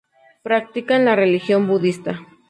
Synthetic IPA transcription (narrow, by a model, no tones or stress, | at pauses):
pɾak̚t̪ikanlarelixjombuðist̪a